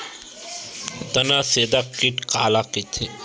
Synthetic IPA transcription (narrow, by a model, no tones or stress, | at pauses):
t̪ɐnaseːd̪akːiʈkaːlakit̪ʰe